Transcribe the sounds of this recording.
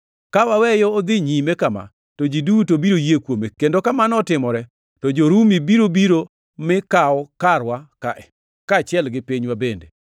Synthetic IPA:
kawawɛjɔːd̪ɪɲimekama̰ | tod͡ʒidutobiɾojekwomekendokamanɔtɪmɔɾɛ | tɔd͡ʒoɾumibiɾobiɾo | mɪkaɔkaɾwaka̰ʔɛ | kat͡ʃɪɛlɡɪpiɲwabende

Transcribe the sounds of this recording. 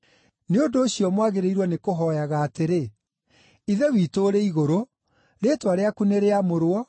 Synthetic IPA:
neondoːɕiɔmwaɣeɾeiɾwɔnekoɦɔjaɣaːteɾe | iðɛwitoɾeiɣoɾo | ɾeːtwaɾeakuneɾeamoɾwɔ

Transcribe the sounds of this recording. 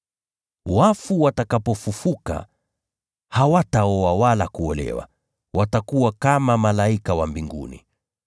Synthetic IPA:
wafuwatakapɔfufuka̰ | hawataɔawalakuɔlɛ̰wa̰ | wʔatakuwakamamalaikawambiŋɡṵnḭ

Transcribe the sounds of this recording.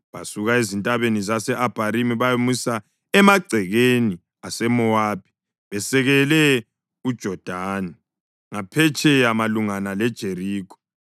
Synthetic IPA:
βa̰suɣaezintʼaβenizasɛʔab̥ʱaɾimiβajomusa | ɛmaɡ͡ǀʱɛɣeni | asɛmɔaːb̥̚ʱi̥ | βɛsɛɣɛlɛ | ud̥ʒ̥ʱɔd̥ʱaːni | ŋapʰɛt͡ʃʰʼɛjamaluŋanalɛd̥ʒ̥ʱeɾiːkʰɔ̥

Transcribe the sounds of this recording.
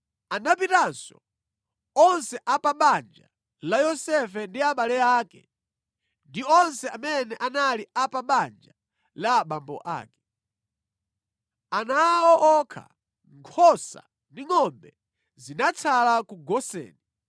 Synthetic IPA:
anapitansɔ̰ | ɔnsɛʔapaɓand͡ʒa | lajɔsɛfɛndiaɓalɛaːkɛ | ndiɔnsɛamɛnɛʔanaliapaɓand͡ʒa | laɓambɔ̰ʔa̰ːkɛ̥ | anawɔʔɔkʰa̰ | ŋkʰɔsa̰ | ndiŋɔmbɛ | zinat͡sʰalakuɡɔsɛ̰ːni

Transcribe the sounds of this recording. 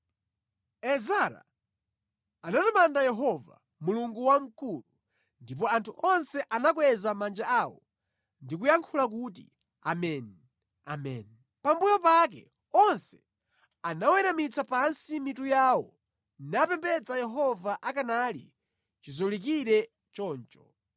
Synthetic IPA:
ɛzaɾa̰ | anatamandajɛɦɔva̰ | muluŋɡuwam̩kulu | ndip̬ɔantʰuʔɔnsɛʔanak̬wɛzamand͡ʒaaːwɔ̰ | ndik̬ujaŋkʰulak̬ut̬ḭ | a̰mɛnɛ | a̰mɛ̰n | pambujɔp̬ak̬ɛ̰ | ɔnsɛ | anawɛɾamit͡sapansimitujawɔ | napɛmpɛt͡sajɛɦɔvaʔakanalḭ | t͡ʃizɔlik̬iɾɛ | t͡ʃɔːnt͡ʃɔ̥

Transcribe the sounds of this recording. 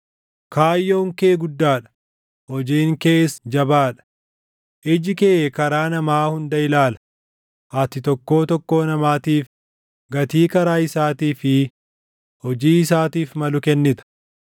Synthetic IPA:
kaːjːo̞ːŋkeːɡʊd̪ːaːᶑɐ̥ | hɔd͡ʒiːŋke̞ːsd͡ʒɐbaːᶑɐ̥ | ʔɪd͡ʒɪkeːɛkɐɾaːnɐmaːhʊnd̪ɐɪlaːlɐ̥ | ʔɐt̪ɪt̪ɔkːo̞ːt̪ɔkːo̞ːnɐmaːt̪iːf | ɡɐt̪iːkɐɾaːɪsaːt̪iːfɪ | hɔd͡ʒiːɪsaːt̪iːfmɐlʊkɛnːɪt̪ɐ̥

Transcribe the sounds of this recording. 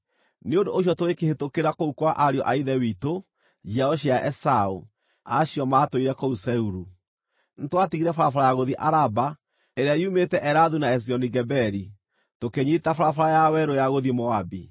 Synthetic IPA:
neondoːɕ̬jɔtowekehetokeɾakoukwaʔaɾiɔʔaiðɛwito | d͡ʒiaɔɕ̬iaʔɛsaṵ | aɕiɔmaːtoiɾɛkousɛuɾu | nitwatiɣiɾɛfaɾafaɾajaɣoðiʔaɾaba | eɾeaiumetɛʔɛɾaðunaɛs̬iɔniɡɛbɛɾi | tokeɲitafaɾafaɾajawɛɾojaɣoðimɔabi

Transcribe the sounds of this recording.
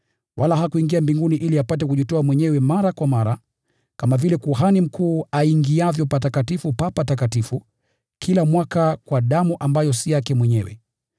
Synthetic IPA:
wʔalaɦakuiŋɡiambiŋɡuniʔiliapatɛkuʄitɔamwɛɲɛwɛmaɾakwamaɾa | kamavilɛkuɦanim̩kʰuːaiŋɡiavjɔpatakatifupapatak̬atifu | kʰilamwakakwaɗamuʔambajɔsijakɛmwɛɲɛ̰wɛ̰

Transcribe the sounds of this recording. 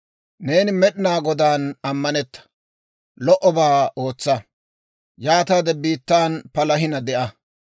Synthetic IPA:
ne̞ːnɪmɛɗɪnaːɡɔd̪aːnɐmːɐnɛt̪ːɐ̥ | lɔʔɔbaːo̞ːt͡sːɐ | jaːt̪ad̪ɛbiːt̪ːaːnpɐlɐɦɪnɐd̪ɛʔɐ

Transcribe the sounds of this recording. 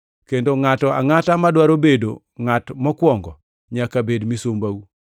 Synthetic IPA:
kendoŋatɔa̰ŋatamadwaɾobedo̰ | ŋatmɔkwɔŋɡɔ | ɲakabedmisombawu

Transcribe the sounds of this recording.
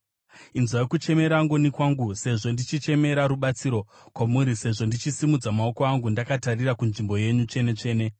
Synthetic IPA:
inzwajekut͡ʃe̞me̞ɾaŋɡonikwaŋɡuse̞ʐo̞ndit͡ʃit͡ʃe̞me̞ɾaɾuɓat͡siɾo̞ | kwamuɾise̞ʐo̞ndit͡ʃisimud͡zamao̞ko̞aŋɡundakatarirakunʐimbo̞je̞ɲut͡ʂe̞ne̞t͡ʂe̞ːne̞

